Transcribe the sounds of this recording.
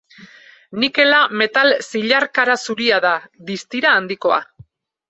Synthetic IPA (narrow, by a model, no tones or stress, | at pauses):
nike̞lame̞t̪alsiʎaɾkaɾasuɾiaðaðist̪iɾaːnd̪iko̞a̰